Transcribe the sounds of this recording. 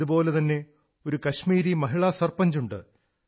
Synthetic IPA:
ubpo̞ːle̞t̪ɐnːe̞ | o̞ɾukɐɕmiːɾimɐɦiɭɐsɐrpɐɲd͡ʑuɳɖɨ̰

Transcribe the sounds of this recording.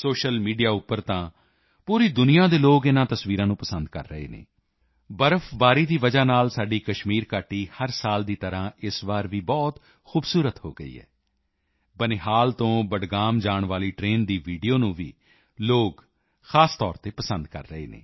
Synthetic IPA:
soːʃəlmiːɖijaːʊpːəɾt̪ãː | puːɾiːd̪ʊnijãːd̪eːloːɡɪnãːt̪əsʋiːɾãːnũːpəsə̃nd̪kə̰ɾːəɦḛːnḛː | bəɾəfʰbaːɾiːd̪iːʋəd͡ʒaːnaːlsaːɖiːkəʃmiːɾkaːʈiːhəɾsaːld̪iːt̪əɾãːɪsʋaːɾʋiːbɔːt̪ | xuːbsuːɾət̪ho̰ːɡə̰ḭːɦɛ̰ː | bəneɦaːlt̪õːbəɖɡaːmd͡ʒaːɳʋaːliːʈɾeːnd̪iːʋiːɖijoːnũːʋḭː | loːk | xaːst̪ɔːɾt̪eːpəsənd̪kə̰ɾːəɦḛːnḛː

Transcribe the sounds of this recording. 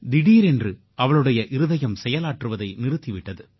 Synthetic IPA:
d̪ɪɽiːɾɛndrɯ | ɐʋɐɭɯɽɐjɐʔɪɾɯðɐjɐmsɛjɐlaːʈrɯʋɐðɐɪnɪɾɯt̪ːɪʋɪʈːɐðɯ

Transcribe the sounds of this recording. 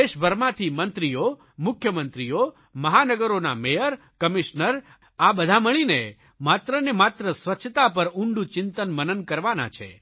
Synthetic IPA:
eʃbʱəɾmãt̪ʰimənt̪ɾijo | mʊkʰjəmənt̪ɾijo | məɦanəɡəɾonamejəɾ | kəmiʃnəɾ | abəd̪ʱaməɭ̃ine | mat̪ɾənemat̪ɾəsʋətːʃʰət̪apəɾuɳɖũt͡ʃɪnt̪ənmənənkəɾʋana̰t͡ʃʰḛ

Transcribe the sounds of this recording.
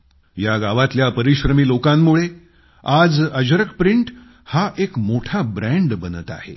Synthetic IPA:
jaɡaʋat̪ljapəɾiɕɾəmiːlokamːuɭe | ad͡zəd͡ʑɾəkpɾiɳʈ | haʔekmoʈʰabɾæɳɖbənət̪a̰hḛ

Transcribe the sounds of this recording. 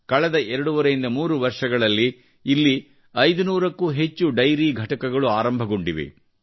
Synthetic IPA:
kɐɭɛd̪ɐɛɾɐɽuʋɐɾɐjind̪ɐmuːɾuʋɐɾʂɐɡɐɭɐlːiː | lːi | ɐjd̪unuːɾɐkːuɦe̞t͡ʃːuɖɐjɾiːɡʱɐʈɐkɐɡɐɭuaːɾɐmbʱɐɡoɳɖiʋḭ

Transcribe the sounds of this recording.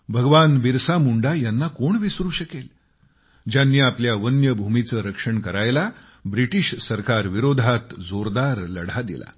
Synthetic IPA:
bʱəɡʋanʋiɾsamuɳɖajanːakoɳʋisɾuːɕəkel | d͡ʑjanːiːapljaʋənjəbʱumit͡səɾəkʂəɳkəɾajla | bɾiʈiɕsəɾkaɾʋiɾod̪ʱat̪d͡zoɾd̪aɾləɽ̤ad̪ḭla̰

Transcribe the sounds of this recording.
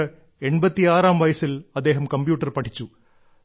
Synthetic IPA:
ɛɳbɐt̪ːiaːɾaːmʋɐjɐsɪlɐd̪ːeːɦɐmkɐmbjuːʈ̬ːɐɾpɐʈʰːɪt͡ɕːu

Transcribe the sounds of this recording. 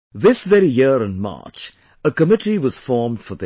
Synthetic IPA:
ðɪsʋɛɾijɪɾə̃nmɑ̰ːt͡ʃ | əkəmɪʈʰiwʌz̥fɔːɹmɖ̥fəðɨ

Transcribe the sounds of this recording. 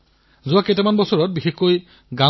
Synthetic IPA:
zʊwakɛtɛmanbɔsɔɹɔt̚bixexkoj | ɡa

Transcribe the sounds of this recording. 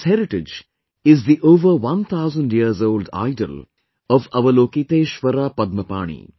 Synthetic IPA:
hɛɾɪʈɪd͡ʒ | ɪzd̪iʔoːʋəɾʋɐ̃nt̪ʰaʊzə̃ɳɖjiəɾzoːlɖa̰ɪɖə̰l | ɔʋɐʋɐloːkit̪eːʃʋɐɾaːpɐd̪̚məpa̰ːɳ̃ḭː

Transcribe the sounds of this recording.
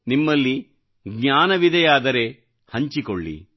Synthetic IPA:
nimːɐlːi | ɡɲaːnɐʋid̪ɐjaːd̪ɐɾe̞ | hɐɲt͡ʃikoɭːḭ

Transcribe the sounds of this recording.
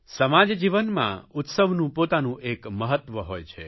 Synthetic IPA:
səmad͡ʒd͡ʒiʋənmã̰ut̪səʋnũpot̪anũʔekməɦət̪ːʋəɦojt͡ʃʰe

